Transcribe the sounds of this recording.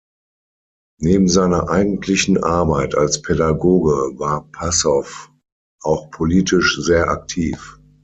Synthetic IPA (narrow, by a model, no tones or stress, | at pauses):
neːbm̩zaɪnɐʔaɪɡn̩tʰlɪçn̩ʔaɐbaɪtʰalspʰedaɡoːɡəvaːɐpʰasɔf | ʔaʊxpʰoliːtʰɪʃzeːɐʔa̰k̚tʰiːf